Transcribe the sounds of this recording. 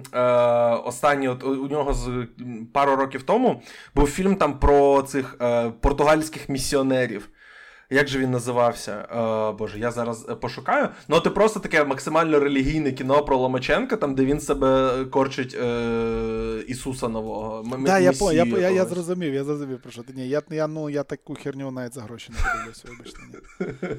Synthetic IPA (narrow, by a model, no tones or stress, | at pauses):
ɔst̪ɑnʲːiɔt̪ʊnʲɔɦɔzpɑɾʊɾɔkʲiwt̪ɔmʊbuwfʲilʲmt̪ɑmpɾɔt̪sɪxəpɔrt̪ʊɦɑlʲsʲkɪxmʲisʲːiɔnɛɾʲḭw | jaɡʒɛʋʲinːɐzɪʋɑwsʲɐ̰bɔʒɛjazɑɾɐzpɔʃʊkɑjʊnʊt̪ɪpɾɔst̪ɔt̪ɐkɛmɐksɪmɑlʲnɔɾelʲiɦʲijnɛkʲinɔpɾɔlˠɔmɐt͡ʃɛnkɐt̪ɑmd̪ɛʋʲinsɛbɛkɔrt͡ʃɪtʲː | isusɐnɔʋɔɦɔmajaɔjajajazrɔzʊmʲijʊjazrɔzʊmʲijwʊpɾɔʃɔt̪ɪnʲijajanujat̪akʊxʲirnʲiʋɔnaʋɛtʲzɐɦɾɔʃɪnɐɔlˠɪwsʲʋɔbɐʃt̪nʲ